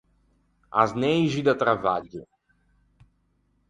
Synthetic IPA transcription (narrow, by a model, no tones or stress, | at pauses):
a̰znejʒid̪at̪ɾavaʎʊ